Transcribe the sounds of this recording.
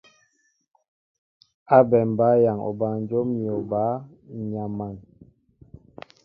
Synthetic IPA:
a˦bɛ˨m˨ba˨˦ja˨ŋɔ̰˨ba˨n˦d͡ʒo˦mi˨ɔ˨baː˨˦ | ɲa˨ma˨n

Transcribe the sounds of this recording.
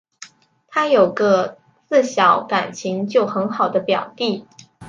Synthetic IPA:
t̪ʰa˥jo˨˩ʊɡə˧˦ | t͡sɹ̩˥˩ɕjɑ˧˥˦ʊka˨˩nt͡ɕʰi˧˥ŋt͡ɕjo˥˩ʊxə˧˥nxɑ˨˩ʊd̪ə˦pjɑ˨˩ʊt̪i˥˩

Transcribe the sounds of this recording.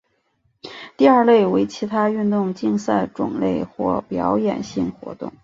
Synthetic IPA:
t̪i˥˧ə˞˥˧le˥˩ɪwe˧˥ɪt͡ɕʰi˧˥t̪ʰa˥y˥˧nt̪ʊ˥˧ŋt͡ɕi˥˧ŋsa˥˩ɪʈ͡ʂʊ̰˨˩ŋlḛ˥˧ɪxwɔ̰˥˩pjɑ˧˥ʊjɛ̰˨˩nɕi˥˩ŋxwɔ̰˧˥t̪ʊ̰˥˩ŋ

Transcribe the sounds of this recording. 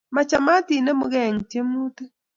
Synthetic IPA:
ma˨t͡ʃa˨ma˦ti˨ne˦mu˨ɣɛ˦˨ŋ˨tje˦m˦u˦tə˦

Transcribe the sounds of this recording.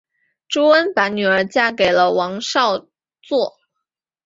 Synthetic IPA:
ʈ͡ʂo˥ʊwə˥npa˧˥nny˨˩ə˞˧˥t͡ɕja˥ke˨˩ɪlə˦wɑ˧˥ŋʂɑ˥˧ʊ | t͡swɔ˥˩

